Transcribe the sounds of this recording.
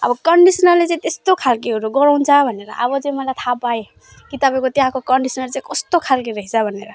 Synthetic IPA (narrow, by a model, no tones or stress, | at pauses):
ʌ̰bʌkʌɳɖisnʌrlet͡sãĩt̪est̪okʰalkiɦʌɾuɡʌɾawnt͡sʰʌbʱneɾʌ̰ʔʌbʌd͡zuj̃mʌlajt̪ʰapae | kit̪ʌpaĩkot̪jɦãkokʌɳɖisʌnʌlt͡saĩkʌst̪okʰalkiɾʌɦit͡sʰʌbʱʌneɾʌ